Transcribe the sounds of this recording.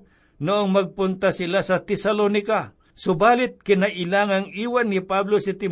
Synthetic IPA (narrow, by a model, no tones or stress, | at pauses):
noʔoŋmɐɡ̚pʊnt̪asɪlasɐt̪ɛsalonɪka | sʊbaːlɪt̪̚kɪnaʔɪlaːŋaŋiːwanːɪpablosɪt̪ɪ